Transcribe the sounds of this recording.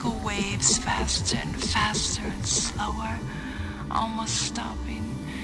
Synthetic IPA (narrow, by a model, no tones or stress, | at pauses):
kl̩ˠweɪvz̥fæstə˞ɨ̰̃nfæstʰə˞ɨ̃nsloʊə˞ | ʔɔ̰lˠmoʊststɑpɪ̃ŋ